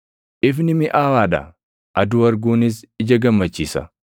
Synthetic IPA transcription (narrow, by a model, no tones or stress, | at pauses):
ʔɪfnɪmɪʔaːwaːᶑɐ̰ | ʔɐd̪ʊɐɾɡuːnɪs̬ɪd͡ʒɐɡɐmːɐt͡ʃːiːsɐ̰